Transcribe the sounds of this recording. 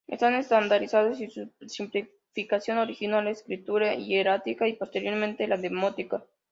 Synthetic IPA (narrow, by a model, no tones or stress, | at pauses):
ḛst̪anest̪and̪aɾisaðosisusimpli | fikasjo̞noɾixinaleskɾit̪uɾaieɾat̪ikaipost̪eɾjo̞ɾmẽnt̪elaðemot̪ika